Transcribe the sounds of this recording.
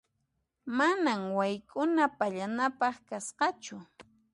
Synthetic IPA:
manaŋwajkʊnapaʎanapɑχkasqɑt͡ʃʊ

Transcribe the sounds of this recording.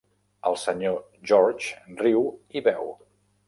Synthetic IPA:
əlˠsəɲo | ʒɔɾt͡ʃriwiβɛw

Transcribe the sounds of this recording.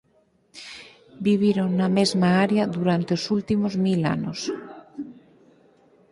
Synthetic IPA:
biβ̞jiɾoŋːamezmaaɾjaðuɾant̪eosult̪imozmila̰nos

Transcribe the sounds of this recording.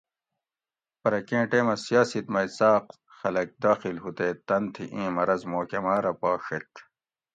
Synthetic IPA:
pɐɾɐkẽːʈeːmɐsijaːsit̪mɐisaːq | xɐlɐk̚d̪aːxilɦut̪eːt̪ɐnt̪ʰiʔĩːmɐɾɐzmoːkɐmaːɾɐpaːʂet̪

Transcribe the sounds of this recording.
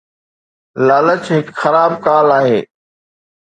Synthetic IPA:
laːlət͡ɕɦɪkxɐɾaːbkaːlaːɦeː

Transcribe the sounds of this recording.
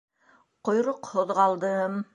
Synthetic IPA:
qŏjɾoqhŏðʁɑlˠd̪ɤm

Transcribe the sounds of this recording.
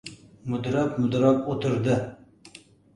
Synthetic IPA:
mʊd̪ɾɑpmʊd̪ɾɑpot̪ʰɨɾd̪ɨ

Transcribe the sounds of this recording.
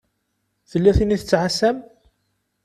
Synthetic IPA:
θəlːæθiniθət͡sːʕasæm

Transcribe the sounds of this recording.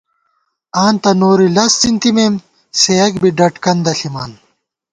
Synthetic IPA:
aːnt̪ɐnoːɾilɐst͡sint̪imeːm | sejɐkbiɖɐʈkɐnd̪ɐɬima̰ːn

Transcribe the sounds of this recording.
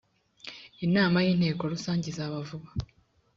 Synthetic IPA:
inaːmajiːn̥he̞ːko̞ɾusaːɲɟizaβavuβa

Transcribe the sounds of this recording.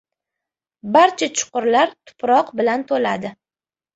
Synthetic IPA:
baɾt͡ʃʰat͡ʃʰʊ̥qʊɾlaɾt̪ʰʊ̥pɾɒqbɪlant̪ʰolad̪ɪ

